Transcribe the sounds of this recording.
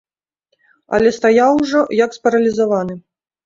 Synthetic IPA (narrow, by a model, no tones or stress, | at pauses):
ɐ̰lʲɛst̪ajawʐɔjɐkspɐɾɐlʲizavanɨ